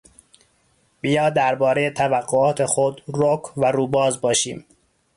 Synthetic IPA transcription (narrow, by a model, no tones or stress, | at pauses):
b̥ijɒːd̪æɾbɒːɾe̞jet̪ʰævæɡːoɒːt̪ʰe̞xod̪ɾokʰvæɾuːbɒːzbɒːʃḭːm